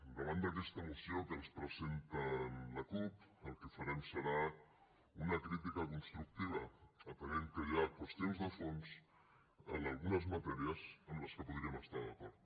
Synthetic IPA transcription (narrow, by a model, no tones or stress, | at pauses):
d̪əβand̪əkeɛst̪ɐmusjokənspɾəzent̪alakupəlˠkəfaɾemsəɾa | unɐkɾit̪̬ikakunst̪ɾuk̚t̪iβ̞ɐːp̪əɣeŋkəjakwost̪jonzðəfons | ə̰nalˠɣunɐzmat̪ɛɾiəsəmləskəpuðɾiəməst̪aɾðɐkoɾðu